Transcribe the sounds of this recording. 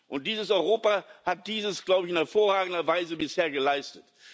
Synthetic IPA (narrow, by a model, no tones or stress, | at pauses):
ʔʊnt̚d̥iːzəsɔʏʁoːpahat̚d̥iːzəsɡ̥laʊbəɪçɪnhɛɐfoːɐʁaːɡŋ̩dɐvaɪzəbɪsheːɐɡəlaɪstət